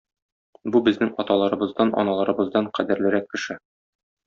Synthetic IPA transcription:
bubɘ̆znɘŋɒt̪ɑlˠɑɾɤ̆bɤ̆zd̪ɑnʔɒ̰nɑlˠɑɾɤ̆bɤ̆zd̪ɑɴqæd̪ɘ̆ɾlɘ̆ɾækːɘ̆ʃɘ

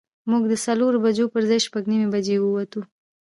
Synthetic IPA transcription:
muɡd̪əsaloɾobad͡ʒopəɾzajʃpaɡnimebad͡ʒewəwat̪u

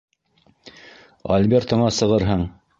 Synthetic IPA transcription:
ɐ̰lʲbʲeɾt̪ŏɴɑsɤ̆ʁɤɾɦɤɴ

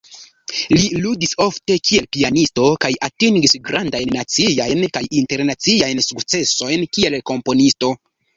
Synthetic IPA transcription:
liludiso̞fte̞kʰie̞lpianisto̞kajatiŋɡisɡɾandajnːat͡siajnkajinte̞ɾnat͡siajnsukt͡se̞so̞jnkie̞lko̞mpo̞nisto̞

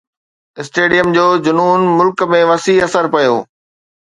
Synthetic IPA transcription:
ɪsʈeːɖijəmd͡ʑoːd͡ʑʊnuːnmʊlkmẽʋɐsiɐsəɾpɐjo̰ː

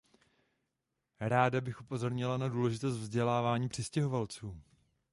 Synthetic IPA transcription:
ɾaːdabɪxʔupo̞zo̞ɾɲɪlanaduːlɛʒɪt̪o̞st̪vzɟɛlaːvaːɲiːpr̥ɪscɛɦo̞valt͡suː

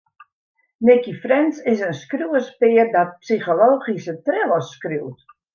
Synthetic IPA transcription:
nɪkifrɛnsɪsənskruəspɪərdɔt̚psiχoloːχisətrɪləskruwt

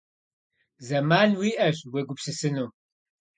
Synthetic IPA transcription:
zɐmaːnwiːʔɐʒweɡʷʊpsɨsɨnuː

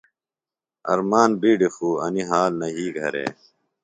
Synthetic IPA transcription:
ɐ̰ɾmaːnbiːɖifuːɐniɦaːlnɐɦiːɡʱɐɾḛː

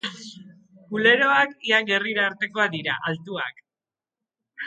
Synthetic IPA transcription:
kule̞ɾo̞akiaŋɡe̞riɾaːɾt̪e̞ko̞aðiɾa̰ʔalt̪ua̰k

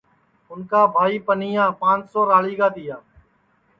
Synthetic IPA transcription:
ʊnkaːbʱaːiːpəniːjãːpãːt͡ʃsoːɾaːliːkaːd̪ɪjaː

